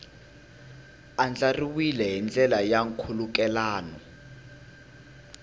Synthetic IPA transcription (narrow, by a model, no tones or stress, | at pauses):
and͡ɮariwilɛɦind͡ɮʱʼɛlajaŋkʰulukɛlaːnɔ